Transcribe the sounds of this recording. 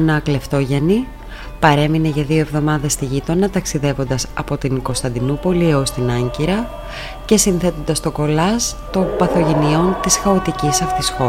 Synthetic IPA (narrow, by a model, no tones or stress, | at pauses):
nɐkleft̪o̞ʝeni | pɐɾe̞mineʝɐðio̞e̞vðo̞mɐðe̞st̪iʝit̪o̞nɐt̪ɐksiðe̞vo̞nd̪ɐsɐ̰po̞t̪inko̞st̪ɐnd̪inupo̞liost̪inɐɲciɾɐ | ce̞sinθe̞t̪o̞nd̪ɐst̪o̞ko̞lɐst̪o̞mpɐθo̞ʝe̞nio̞nt̪isxɐot̪icisɐft̪isxo̞